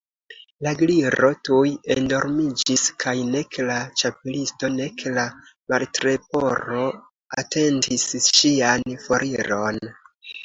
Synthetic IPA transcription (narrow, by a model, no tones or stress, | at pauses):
laɡliɾo̞tujendo̞ɾmid͡ʒiskʰajne̞klat͡ʃapelisto̞ne̞klamaltɾe̞p̚o̞ɾo̞ | a̰te̞ndisʃianfo̞ɾʔiɾo̞n